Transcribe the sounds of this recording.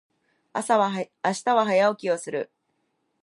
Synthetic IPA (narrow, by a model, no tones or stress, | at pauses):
a̰saβa | aɕi̥t̪aβaɦajaokʲio̞sɨɾɯ̟̰